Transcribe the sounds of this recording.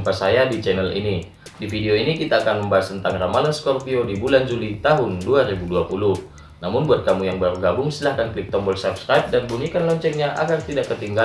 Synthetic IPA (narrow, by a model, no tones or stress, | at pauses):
mpasajadit͡ʃɛnɛlḭni | difideoinikit̪aːkanməmbaɦast̪ənt̪aŋramalanskɔrpiodibuland͡ʒulit̪aɦʊnduaɾibuduapulʊh | namʊnbuat̪̚kamujaŋbaɾuɡabʊŋsilahkanklip̚t̪ɔmbɔlsap̚skɾaip̚danbuɲikanlɔɲt͡ʃɛk̚ɲaʔa̰ɡart̪idakːət̪iŋɡa